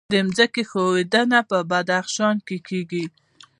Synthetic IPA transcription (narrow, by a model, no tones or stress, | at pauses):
d̪əmzəkexowed̪anapəbad̪axʃɑnkekeɡi